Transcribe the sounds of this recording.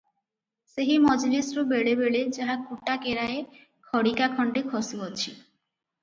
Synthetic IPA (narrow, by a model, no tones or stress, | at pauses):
seɦimɔd͡ʑlesɾobeɽebeɭed͡ʑaɦakuʈakeɾae | kʰɔɽikakʰɔɳɖekʰɔsuɦot͡ɕʰi